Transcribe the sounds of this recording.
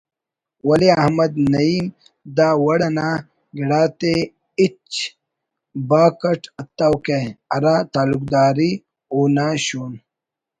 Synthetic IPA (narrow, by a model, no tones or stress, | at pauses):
wɐliɐhmɐd̪nɐiːm | d̪aːwɐɽɐnaː | ɡiɽaːt̪e | it͡ʃ | baːkɐʈɐt̪ːawkeɐɾaːt̪aːluk̚d̪aːɾi | oːnaːɕuːn